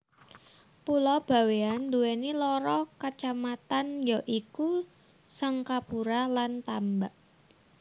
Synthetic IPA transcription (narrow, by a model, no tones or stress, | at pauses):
pulɔb̥ä̤weand̪uwenilɔɾɔkat͡ʃamat̪anjaʔiku | saŋkapuɾalant̪ambaʔ